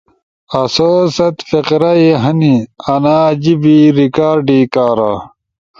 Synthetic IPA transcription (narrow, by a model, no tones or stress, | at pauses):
ɐsoːsɐt̪fiqɾɐiɦɐniɐnaːd͡ʑibiɾikaːɾɖiːkaːɾa